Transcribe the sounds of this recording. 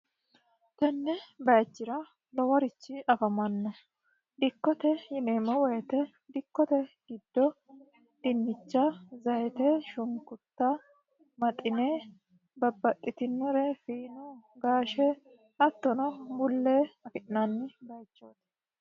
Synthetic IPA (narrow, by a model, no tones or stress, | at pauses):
t̪ɐnːɛbɐjt͡ʃːɪɾɐ | lɔwɐɾɪt͡ʃːɪʔɐfɐmɐnːɔ | d̪ɪkːɔt̪ɛjɪneːmɐwɔjɛt̪ɛ | d̪ɪkːɔt̪ɛɡ̥ɪd̪ːɔ | d̪̥ɪnːɪt͡ʃːɐzɐjɛt̪ɛʃʊŋkʊt̪ːɐ | mɐt̪ʼːɪne | bɐbːɐt̪ʼːɪt̪ɪnːʊɾɛfiːnuɡaːʃɛ | ɐt̪ːɔnɔbʊlːeɐkɪʔnɐnːɪbɐjt͡ʃːoːt̪ɛ̥